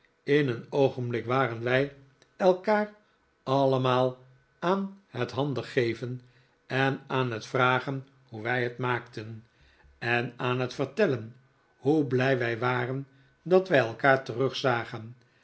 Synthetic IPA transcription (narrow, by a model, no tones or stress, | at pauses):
ɪnənowχənblɪkʋaːrənʋɛj | ɛlˠkaːr | ɑləmaːlˠ | aːnhətɦɑndəχejvən | ɛnaːnɦətfraːχən | huʋɛjɦətmaːktən | ɛnaːnɦətfərtɛlən | hublɛjʋɛjʋaːrən | dɑtʋɛjɛlˠkaːɹtərɵχsaːχən